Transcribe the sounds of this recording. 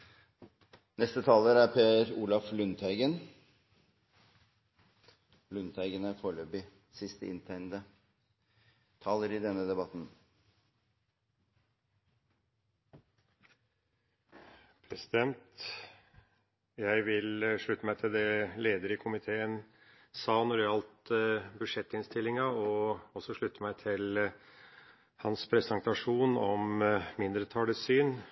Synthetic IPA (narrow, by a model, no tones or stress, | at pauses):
nɛst̪ət̪ʰɑːləɾæpʰeːɾuːlɑflʉnt̪ʰæɪɡən | lʉnt̪ʰæɪɡənæɾfoːɭøːbɪ | sɪst̪əʔɪ̰nt̪ʰæɪnd̪ə | t̪ʰɑːləɾɪd̪ɛnːəd̪ɛbɑt̪n | pʰɾɛsɪd̪ɛnt̪ | jæɪʋɪlʂɭʉt̪ːəmæɪt̪ʰɪld̪ɛleːd̪əɾɪkʰʊmɪt̪ʰeːən | sɑːnɔɾæɑlt̪bʉʂɛt̪ːɪnst̪ɪlːɪŋɑɔɔsɔʂɭʉt̪ːəmæɪt̪ʰɪl | hɑnspʰɾɛsənt̪ɑʂuːnɔmmɪnd̪ɾət̪ʰɑɖəsyːn